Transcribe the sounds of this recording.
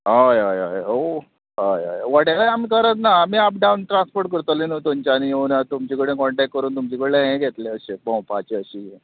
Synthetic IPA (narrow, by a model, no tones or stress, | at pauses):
ɦajaja̰jo | ɦaja̰jʋaʈelaamikəɾət̪naːmiːap̚ɖaunʈɾãnspoɾʈ̚kəɾt̪əlenot̪umt͡ɕaniounat̪umt͡ɕikəɽẽkɔɳʈɛkːəɾuːnt̪umt͡ɕikəɽeleɦẽɡʱet̪leəɕebɔ̃wpat͡ɕeəɕije